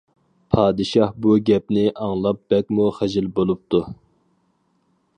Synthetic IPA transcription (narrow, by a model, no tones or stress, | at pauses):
pʰɑːd̪ɨʃɑhbuɡʲɛp̚nɪʔɑŋlˠɑp̚b̥ɛkʲmuχæʒɪlbolˠup̚t̪ʰu